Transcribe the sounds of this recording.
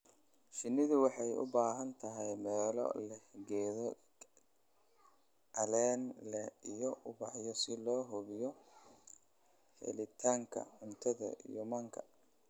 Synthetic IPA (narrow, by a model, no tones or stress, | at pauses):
ʃɪnːɪðʊwɑħɑjʊ̰baːɦɐnt̪ʰɐɦɛjmɛːlɔ̰lɛhɡɛːðɔ | ɐlɛːnlɛijɔʔʊbɑħjɔsɪlɔːɦʊβɪjɔ | hɛ̰lɪt̪ʰaːŋkʰɐ̰ħʊnt̪ʰɐðɐ̰ḭjɔmɐŋkʰɐ